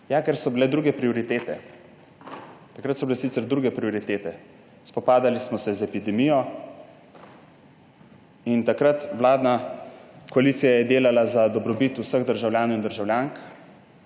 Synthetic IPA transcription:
jakɛɾsɔbilɛd̪ɾuɡɛpɾiɔɾit̪eːt̪ɛ̰ | t̪akɾət̪sɔbilɛsit̪sɛɾd̪ɾuːɡɛpɾiɔɾit̪eːt̪ɛ | spɔpaːd̪alismɔsɛzɛpid̪ɛmijɔ | int̪akɾat̪ʋlaːd̪na | kɔaliːt̪sijajɛd̪eːlalazad̪ɔbɾɔbit̪usəɣd̪əɾʒawljaːnowind̪əɾʒawljaːŋk

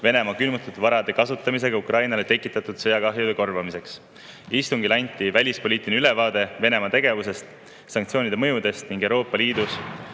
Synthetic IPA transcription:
ve̞ne̞mɑkylmut̪ut̪vɑɾɑd̪̥e̞kɑsut̪ːˑɑmis̬e̞ɡ̥ɑukrʔɑjnɑlet̪e̞kːˑit̪ːˑɑt̪ˑud̪̥sɤjɑkɑɦjud̪e̞ko̞rvɑmise̞ks | ist̪uŋɡilɑnʲt̪ːˑivælʲispo̞lʲiːt̪ˑineylevɑːd̪e̞ve̞ne̞mɑt̪e̞ɡ̥e̞vuse̞st̪ | sɑŋkt̪sio̞ːnʲid̪emɤjud̪e̞st̪niŋɡ̥ewɾo̞ːpːˑɑliːd̪us

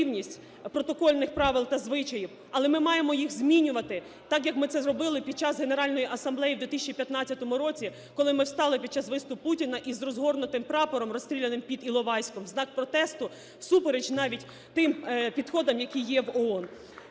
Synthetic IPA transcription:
wnʲisʲtʲ | pɾɔt̪ɔkɔlʲnɪxpɾɑʋɪlˠt̪ɐzʋɪt͡ʃɐjiw | ɐlˠɛmɪmɑjemɔjixzmʲinʲʊʋɐt̪ɪ | t̪ɑkjɐkmɪt̪sɛzrɔbɪlˠɪpʲid̪̥̚t͡ʃɑzɦe̞neɾɑlʲnɔjiʔɐsɐmblˠɛjiwd̪ʲʋʲit̪ɪsʲt͡ʃʲipʲjɐt̪nɑt͡sʲːɐt̪ɔmʊɾɔt͡sʲi | kɔlˠɪmɪwst̪ɑlˠɪpʲid̪̚t͡ʃɑsʋɪst̪ʊppːutʲinɐʔizrɔzɦɔrnʊt̪ɪmpɾɑpɔɾɔmrɔst̪ɾʲilʲenɪmpʲid̪ilˠɔʋɑjsʲkɔmznɑk̚pɾɔt̪ɛst̪ʊ | supeɾed͡ʒnɑʋʲitʲ | t̪ɪmpʲid̪xɔd̪ɐmjɐkʲijɛwɔɔn

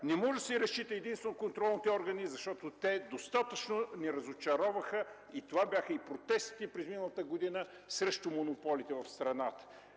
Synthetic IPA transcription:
nɛmɔʒd̪əsɛiɾɐst͡ʃit̪əɛd̪inst̪vɛnookont̪ɾɔlˠnit̪ɛɔɾɡənizɐʃt̪ɔt̪ot̪ɛd̪ost̪at̪ət͡ʃnonɛɾɐzʊt͡ʃɐɾɔvɐxə | it̪ovabʲjaxəipɾot̪ɛst̪i̥t̪ɛpɾɛzminəlˠɐt̪əɡod̪inə | sɾɛʃt̪omonʊpɔlit̪ɛvɐfst̪ɾɐnat̪ə̥

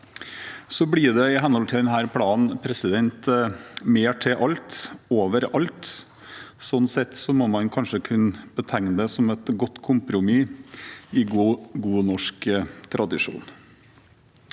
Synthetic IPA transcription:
sɔblɪɖ̪ɛɪɦɛnəhɔlt̪ɪld̪ɛnɦæːɾpʰlɑːn̩pʰɾɛsɪd̪ɛnt̪meːʈʰɪʔɑlt̪oːʋəɾɑlt̪ | sɔnːsɛt̪ːsɔmɔmɑnkʰɑnʂəkʰʉnəb̥ət̪ʰɛŋnəd̪ɛsɔmɛt̪ɡɔt̪ːkʰʊmpɾʊmi | ɪɡuːnɔʂkt̪ʰɾʔɑd̪ɪʂṵːn

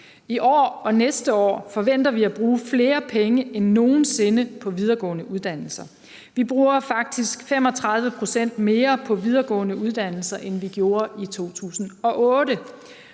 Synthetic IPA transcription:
iʔɒ̰ːɒ̽nesd̥əɒ̰ːfɒ̽ʋen̰d̥ɐʋiæb̥ʁuːfle̝ːɐpʰeŋəʔenːo̝ːn̩se̝nəpʰɒ̽ʋið̞ˠɐɡ̥ɔ̰̽ːnəuð̞ˠd̥æn̰l̩sɐ | ʋib̥ʁuːɐfɑ̈ɡ̥̚d̥isɡ̥fem̰ɒ̽t͡sʰʁɑ̈ð̞ˠʋəpʰʁo̝sen̰d̥me̝ːɐpʰɒ̽ʋið̞ˠɐɡ̥ɔ̰̽ːnəuð̞ˠd̥æn̰l̩sɐʔenʋiɡ̥jo̝ːɐʔit͡sʰo̝̰ːt͡sʰṵːsn̩ɒ̽ʔɔ̽ːɾə

